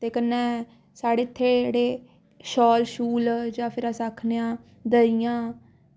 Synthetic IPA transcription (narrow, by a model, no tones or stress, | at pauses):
t̪eːkənːɛ̃ː | saːɽeːɪt̪ʰːeːd͡ʒeːɽeː | ʃɔːlʃuːld͡ʒãːpʰɪɾaːsaːkʰneːãː | d̪əijãː